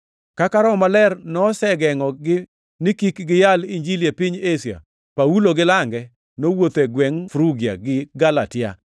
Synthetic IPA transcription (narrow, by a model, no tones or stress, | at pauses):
kakaɾɔmalɛrnɔsɛɡɛŋɔɡɪ | nɪkikɡɪjaliɲd͡ʒiljepɪɲesja̰ | pauloɡɪlaŋɡɛ | nowot̪eɡwɛŋfɾuɡja̰ɡɪɡalatɪa̰